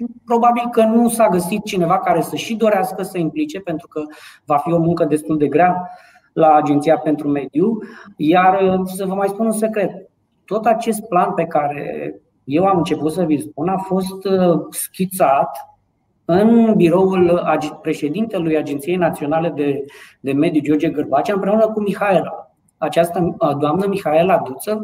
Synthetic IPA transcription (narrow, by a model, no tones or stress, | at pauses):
pɾo̞babilkənusaɡəsit̪̚t͡ʃine̞vakaɾe̞səʃid̪o̞ɾeaskəsəimplit͡ʃe̞pe̞nt̪ɾukəvafio̞muŋkəd̪e̞st̪uld̪e̞ɡɾab | laːd͡ʒent̪sijape̞nt̪ɾume̞d̪jujarsəvəmajspununse̞kɾe̞t̪ː | o̞t̪at͡ʃe̞st̪̚planpe̞kaɾe̞̰ | je̞wamɨnt͡ʃe̞put̪s̬əvilspunafo̞st̪skʲit̪sat̪ | ɨnbiɾo̞ulapɾe̞ʃe̞d̪int̪e̞lujad͡ʒent̪sije̞jnat̪sio̞nale̞d̪ed̪e̞me̞d̪jud͡ʒo̞rd͡ʒeɡɨrbat͡ʃaɨmpɾe̞unəkumixae̞la | at͡ʃast̪əd̪oamnəmixae̞lad̪ut̪sə